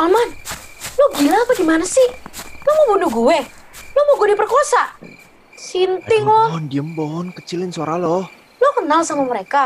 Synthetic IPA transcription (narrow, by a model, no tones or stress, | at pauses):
ʔalman | lohɡilaːpaɡimanasɪhlohmobunuɡuwɛ | lomoɡudipərkosaʔ | sint̪ɪŋlɔndiəmbɔnkət͡ʃɪlɪnswaɾalɔh | lokənalsamaməɾeka